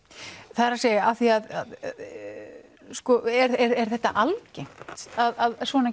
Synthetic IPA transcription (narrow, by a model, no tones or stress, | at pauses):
θaðɾasejaθiaðaðað | skɔɛɾɛɾɛɾ̥θɛht̪a̰ʔalcejm̥tt̪aðaðsvɔna